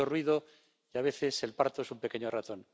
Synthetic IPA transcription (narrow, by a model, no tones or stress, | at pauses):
orwiðo̞ | iaβ̞e̞θe̞se̞lpaɾt̪oesumpe̞ke̞ɲorat̪o̞n